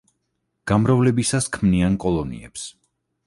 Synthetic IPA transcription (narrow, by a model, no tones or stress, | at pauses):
ɡ̥amɾavlɛbisaskʰmniankʼɔlˠɔnḭɛ̰ps